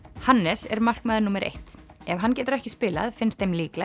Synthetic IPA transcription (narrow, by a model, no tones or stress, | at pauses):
hanːɛsɛ̰ɾmar̥kmaːðɪnuːmɛɾʔḛht̪ɛvɦanːcɛːt̪ʏɾɛhcɪspɪːla̰ðfɪnst̪ːejmliːkla